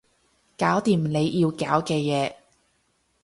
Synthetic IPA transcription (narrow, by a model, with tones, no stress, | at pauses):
kaː˨˥wt̪iː˨mne˨˧jʔiː˧wkaː˨˥wkɛː˧jɛː˨˧